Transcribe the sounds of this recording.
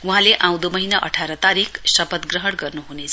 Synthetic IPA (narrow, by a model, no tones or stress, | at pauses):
uɦãleʔãw̃d̪omʌɦinaʔʌ̰ʈʰaɾʌt̪aɾikʰsʌpʌt̪ɡrʌɦʌɽɡʌrnuɦunet͡sʰʌ